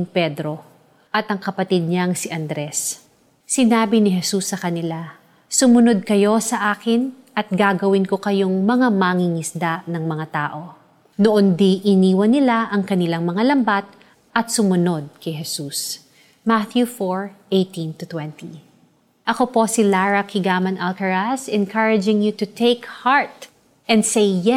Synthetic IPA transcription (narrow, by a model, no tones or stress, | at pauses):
ŋpɛd̪ɾo̞ | ʔɐt̪ʔɐŋkɐpɐt̪id̪̚ɲaŋsɪʔɐnd̪ɾɛsː | ɪnaːbɪnɪɦɛsusːɐkɐnɪla | sʊmʊno̞d̪̚kɐjo̞sɐʔaːkɪn | ʔɐt̪̚ɡaːɡɐwɪnko̞kɐjo̞ŋmɐŋamaŋiŋɪsd̪aʔnɐŋmɐŋat̪aːʔo̞ | noʔond̪iʔɪniːwɐnɪlaʔɐŋkɐnɪlaŋmɐŋalɐmbat̪̚ | ʔɐt̪̚sʊmʊno̞d̪̚kɐjɦɛsus | mat̪jufoɹʔejt̪ĩnt̪ʊt̪wɛnt̪i | ʔɐko̞po̞sɪlaɹɐkʰɪɡamɐnʔɐlkɐɹasɛnkɐɹɛd͡ʒɪŋjut̪ʊt̪ʰejkhaɹt̪̚ | ʔɛ̃nd̪sejːɛ